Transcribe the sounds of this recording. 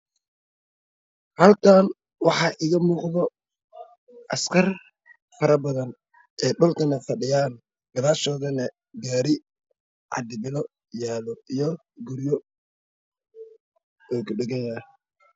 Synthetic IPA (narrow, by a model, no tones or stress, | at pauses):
hɐlkʰaːn | wɑħɑːʔɪɣɐmuːqðɔ | ʔɐskʰɐr | fɐɾɐbɐðɐn | ʔɛːɗʊlkʰɐnɐfɐɖɪjaːn | ɡ̥ɐlaːʃɔːðɐnɐ | ɡaːɾɪ | ʕɑ̰d̪ɪbɪlɔ | jaːlɔijɔ | ɡʊɾjɔ | ɛːkʰʊɖɛɣɛja